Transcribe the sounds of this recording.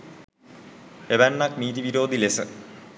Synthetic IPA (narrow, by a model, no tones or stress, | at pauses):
ebanːakniːd̪iʋiɾoːd̪ilesɨ